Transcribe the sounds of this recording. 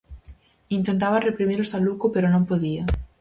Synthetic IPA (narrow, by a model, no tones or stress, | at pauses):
int̪ent̪̬aβarepɾimiɾosalukopeɾonõmpoðiɐ